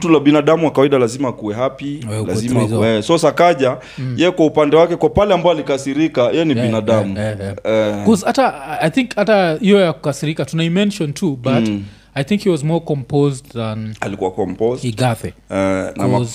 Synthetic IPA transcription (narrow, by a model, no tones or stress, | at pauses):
tulaɓinaɗamuwakawaiɗalazimaːkuwɛɦapiɛlazimazɛsɔsakaʄa | jɛjɛkwaupandɛwakɛkwapalɛambaɔalikasiɾikajɛjɛniɓinaɗamuɛjaɛkɔzhataajθĩŋkhatahijɔjakukasiɾikatunaimɛ̃nʃɔ̃ntʰubat | ajθĩŋkhiwɔzmɔɹkɔ̃mpʰoztðãna̰likuwakɔmpɔzhiɡaθɛɛnkaɔmaz